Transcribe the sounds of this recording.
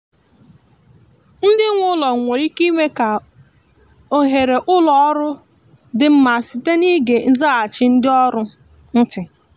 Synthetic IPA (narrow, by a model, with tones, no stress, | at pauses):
n̩˦dɪ˦ŋʷʊ˦lɔ˨ŋ̩˨ŋʷe˨ɾi˦ki˦me˦ka˨ | o˨ɦe˨ɾe˨ʔʊ˦lɔ˨ɔ˦ɾʊ˦ | dɪ˨m̩˦ma˨sɪ˨te˦ni˦ɡe˨n̩˦za˦a˨t͡ʃɪ˦n̩˦dɪ˦ɔ˦ɾʊ˦ | n̩˦tɪ˨